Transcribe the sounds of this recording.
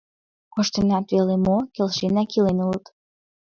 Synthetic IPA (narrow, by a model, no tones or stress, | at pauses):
koʃt̪ənɑt̪βelemokelʃenɑkilenulət̪